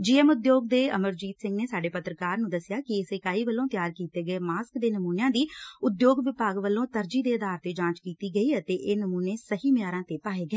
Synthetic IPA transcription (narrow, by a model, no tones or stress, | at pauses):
d͡ʒiːɛːmʊd̪joːɡd̪eːəməɾd͡ʒiːt̪sɪ̃ŋɡneːsaːɖeːpət̪ɾəkaːɾnũːd̪əsɪjaːkɪɪseːkaːiːʋəlːõːt̪jaːɾkiːt̪eːɡəeːmaːskd̪eːnəmuːnjãːd̪iːʊd̪joːɡʋɪpaːɡʋəlːõːt̪əɾd͡ʒiːd̪eːəd̪aːɾt̪eːd͡ʒãːt͡ʃkiːt̪iːɡəiːət̪eːʔeːnəmuːneːsəɦiːmjaːɾãːt̪eːpaːeːɡɛː